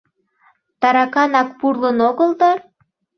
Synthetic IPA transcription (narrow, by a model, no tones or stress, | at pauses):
t̪ɑɾɑkɑnɑkpurlənoɣəlt̪ɑ